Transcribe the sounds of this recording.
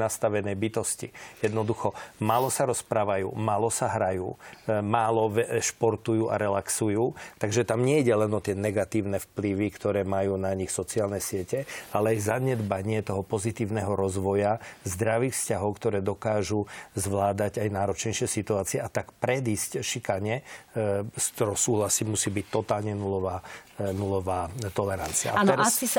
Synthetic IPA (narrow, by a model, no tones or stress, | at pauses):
nast̪aʋɛnɛjbit̪ɔscijɛd̪nɔd̪uxɔmaːlɔsaɾɔspɾaːʋajṵːmaːlɔsaɦɾajṵːmaːlɔʋɛʃpɔɾt̪ujuːʔa̰ɾɛlaksujuːt̪aɡʒɛt̪amɲɛiɟɛlɛnɔt̪ɪɛnɛɡat̪iːʊnɛfpliʋikt̪ɔɾɛːmajuːnaɲixsɔt͡siaːlnɛsɪɛcɛalɛajzaɲɛd̪baɲɪɛt̪ɔɦɔpɔzit̪iːʊnɛɦɔɾɔzʋɔjazd̪ɾaʋiːxfscaɦɔʊkt̪ɔɾɛːd̪ɔkaːʒuzʋlaːd̪aɟajnaːɾɔt͡ʃɲɛjʃɪɛsit̪uaːt͡siɛʔat̪akpɾɛd̪iːscʃikaɲɛ | st̪ɔɾɔsuːɦlasiːmusiːbict̪ɔt̪aːlɲɛnulɔʋaːnulɔʋaːt̪ɔlɛɾa̰nt͡sia̰at̪ɛɾasi